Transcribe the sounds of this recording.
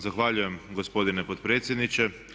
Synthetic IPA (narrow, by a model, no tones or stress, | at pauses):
zaxʋaːʎujɛmɡospod̪inɛpot̪̚pɾeːt̪sʲjɛd̪nit͡ʃɛ